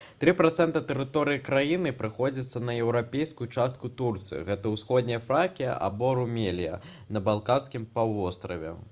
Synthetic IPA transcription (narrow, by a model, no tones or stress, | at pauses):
t̪ɾɨpɾat̪sɛnt̪ɐt̪ɛɾɨt̪ɔɾɨjikɾajinɨpɾɨxɔd͡zʲit̪sːɐnɐjɛwɾapʲejskujut͡ʂast̪̚kut̪urt̪sɨ̰ḭɣɛt̪ɐwsxɔd̪ʲnʲɛjɐfɾakʲijɐ̰ʔa̰bɔɾumʲelʲijɐ̰ | nɐbalˠkanskʲimpawvɔst̪ɾɐvʲɛ̰